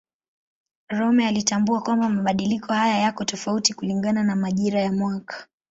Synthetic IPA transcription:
ɾɔmɛalitambuakwambamaɓaɗilikʰɔhajajakɔtɔfautikuliŋɡananamaʄiɾajamwakḁ

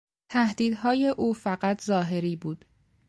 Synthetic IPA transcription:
t̪ʰæhd̪iːd̪ɦɒːje̞ʔuːfæɢæt̪ʰzɒːɦe̞ɾiːbuːd̪̥

